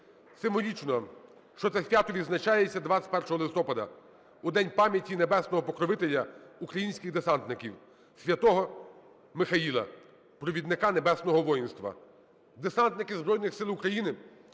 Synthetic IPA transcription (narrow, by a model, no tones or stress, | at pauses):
sɪmɔlʲit͡ʃnɔ | ʃt͡ʃɔt̪ɛsʲʋʲat̪ɔʋʲid̪znɐt͡ʃajet͡sʲːɐd̪ʋasʲt̚ʲpɛrʃɔɦɔlˠɪst̪ɔpɐd̪ɐ | ud̪ɛnʲpɑmʲjɐtʲinebɛsnɔɦɔpɔkɾɔʋɪt̪elʲːɐukɾɐjinʲsʲkʲɪɣd̪esɑnt̪nɪkʲiw | sʲʋʲjɐt̪ɔɦɔ | mɪxɐilˠɐ̰ | pɾɔʋʲid̪nɪkɑnebɛsnɔɦɔʋɔjinst̪ʋɐ̰ | d̪esɑnt̪nɪkɪzbɾɔjnɪxsɪlˠukɾɐjinɪ